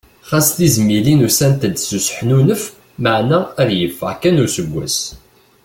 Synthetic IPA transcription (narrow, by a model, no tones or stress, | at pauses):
χæst̪izmilinusænt̪əd̪susə̥ħnunəf | məʕnæɾjəfːəʁkænuɾsəɡʷːæ̰s